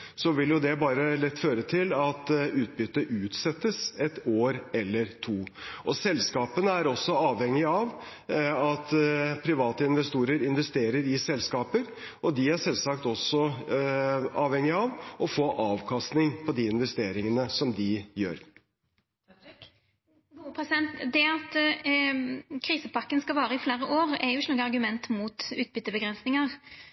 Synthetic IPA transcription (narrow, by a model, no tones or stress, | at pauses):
sɔʋɪljʊd̪ɛbɑːɾəlɛt̪ːføːɾət̪ʰɪlɑt̪ʉːt̪̚bʏt̪ːəʔʉːt̪sɛt̪ːəsɛt̪oːɾɛlːəɾt̪ʰuːʔɔsɛlːskɑːpənəæɾɔsːɔɑːʋhɛŋːɪɑʋ | ɑt̪pʰɾɪʋɑːt̪əɪnʋɛst̪uːɾəɾɪnʋɛst̪eːɾəɾɪsɛlskɑːpəɾ | ʔɔd̪ɪæʂɛlsɑkt̪ɔsːɔ | ɑːʋhɛŋːɪɑʋɔfoːʔɑːʋkʰɑst̪nɪŋpʰɔd̪iɪnʋɛst̪eːɾɪŋənəsɔmd̪ɪjø̰ːɾ | upʰɾɛsɪd̪ɛnt̪d̪ɛɑt̪ | kʰɾiːsəpɑkːənskɑʋɑːɾəɪfleːɾəʔoːɾɛɾjʊɪçːnoːɡəɑɾɡʉmɛnt̪muːt̪ʉːt̪̚bʏt̪ːəbəɡɾʁɛnsnɪŋəʁ